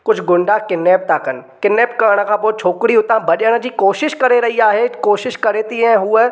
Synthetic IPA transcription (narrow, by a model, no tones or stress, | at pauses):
kʊd͡ʑʱɡʊ̃ɳɖʱakɪnːeːp̚t̪aːkɐnɪ̆kɪnːeːpkɐɾəɽ̃ə̆kʰãːpoːt͡ɕʰoːkɪɽiɦʊt̪ãbɐʄəɽ̃d͡ʑiːkoːʃɪʃkɐɾeɾɐɦiaːɦekoːʃɪʃkɐɾeːt̪iɦɛ̃ɦʊe